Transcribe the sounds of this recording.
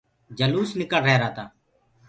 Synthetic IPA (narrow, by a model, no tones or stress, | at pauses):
d͡ʒəluːsnɪkəlɾɛɦːɾaːt̪aː